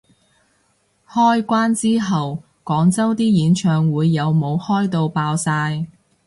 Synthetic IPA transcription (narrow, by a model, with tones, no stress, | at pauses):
hɔː˥jkʷaː˥nt͡siː˥ɦɐ˨w | kɔː˨˥ŋt͡sɐ˥wt̪iː˥jiː˨˥nt͡ʃʰœː˧ŋwuː˨˧jːɐ˨˧wmo˨˧whɔː˥jt̪o˧wpaː˧wsaː˧j